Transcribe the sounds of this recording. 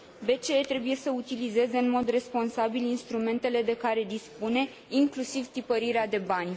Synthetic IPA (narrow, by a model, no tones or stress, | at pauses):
be̞t͡ʃe̞et̪ɾe̞buje̞səut̪ilize̞ze̞ɨnmo̞d̪re̞spo̞nsabilinst̪ɾume̞nt̪e̞le̞d̪e̞kaɾe̞d̪ispune̞ | iŋklusivt̪ipəɾiɾead̪e̞banʲ